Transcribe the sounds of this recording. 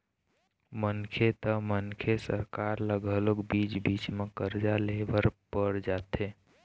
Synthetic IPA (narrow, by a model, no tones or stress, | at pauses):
mənkʰet̪əmənkʰesə̰ɾkaɾləɡʱəlokbit͡ʃbit͡ʃmekəɾd͡ʒalebəɾpəɾd͡ʒat̪ʰe